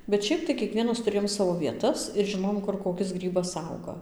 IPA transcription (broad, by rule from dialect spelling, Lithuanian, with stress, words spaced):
bʲɛt ˈʃʲɛɪp tɐɪ kʲiɛˈkʋʲiɛnɐs tʊˈrʲeːjoːm ˈsɑːʋoː ʋʲiɛˈtɐs ɪr ʒʲɪˈnoːjoːm ˈkʊr koːˈkʲɪs ˈɡrʲiːbɐs ˈɐʊɡɐ